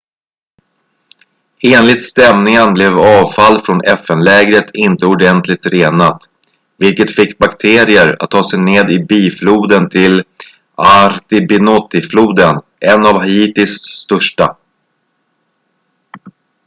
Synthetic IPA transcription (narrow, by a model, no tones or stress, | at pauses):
eːnlɪt̪st̪ɛmnɪŋənblɛvɑːvfalːfɾɔnʔɛfɛnlɛːɡɾət̪ʰɪnt̪əɔɖɛnt̪lɪt̪ɾeːnat̪ | vɪlkət̪fɪkːbakt̪ʰeːɾɪəɾa̰t̪ʰːɑːsɛjneːd̪ɪbiːfluːd̪ənt̪ʰɪl | aɾt̪ɪbɪnɔt̪ːɪfluːd̪ən | ʔɛnavɦaiːt̪ɪsːt̪œʂʈa